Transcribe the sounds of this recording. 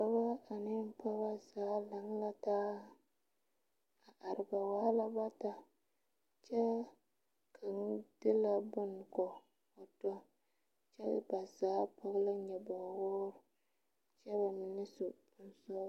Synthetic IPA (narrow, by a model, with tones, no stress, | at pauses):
pa˦ba˦a˨nɪ˦m̩˦pa˦ba˦zaː˨˦la˨ŋ˦la˦taː˦ | a˨ʔa˨ɾɪ˨ba˨waː˦la˦ba˦ta˦ | t͡ʃɛ˦ | kʰa˨ŋ˦d̥ɪ˦la˦bʊ˦n˨kɔ˨ | o˨tɔ˦ | t͡ʃɛ̰˦˨ba˨zaː˨˦pa˨ɣla˦ɲɛ˨ba˨wɔː˦ɾ | t͡ʃɛ˦ba˨mɪ˨nɪ˦sʊ˨˦ | n̩˨sɔ˦